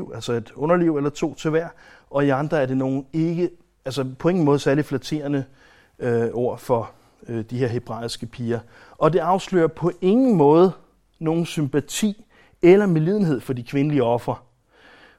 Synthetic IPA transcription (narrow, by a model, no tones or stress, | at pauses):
ʊælsɒe̝d̥ɔ̽nɐliʊ̰elɐt͡sʰo̝̰ːt͡sʰe̝ʋæɐ̰ɒ̽iɑ̈nd̥ʁɐæɐɾe̝no̝ːn̩e̝ɡ̥ə | ælsəpʰɒ̽e̝ŋn̩mɔ̽ːð̞̩ˠsæɐliflæt͡sʰe̝̰ːɐnə | øɒʊ̰ɐfɒ̽ | ød̥ihe̝ɐ̰ɦe̝b̥ʁɑ̰̈ːisɡ̥əpʰiːɐ | ʔɒ̽d̥e̝ɑ̈ʊslø̰ːɐpʰɒ̽ʔe̝ŋn̩mɔ̽ːð̞ˠə | no̝ːn̩sympæt͡sʰḭː | elɐmeliðˠn̩ɦe̝ð̞̰ˠfɒ̽dikʰʋe̝nəliəɒ̽fʁɐ